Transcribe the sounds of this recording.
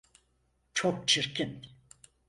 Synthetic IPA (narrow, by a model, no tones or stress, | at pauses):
t͡ʃʰok̚t͡ʃʰiɾcʰin